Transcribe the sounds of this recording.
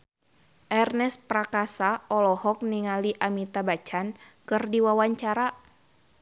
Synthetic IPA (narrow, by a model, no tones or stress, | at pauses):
ʔɛrnɛspɾakasaɔlɔhɔk̚niŋaliʔamit̪abat͡ʃan | kɨrdiwawaɲt͡ʃaɾa